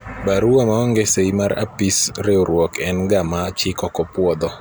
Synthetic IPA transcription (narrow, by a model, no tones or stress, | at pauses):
baɾuɔmaɔŋɡeseimaɾa̰pisɾeoɾwɔkɛnɡamat͡ʃɪkɔkɔpwɔd̪ɔ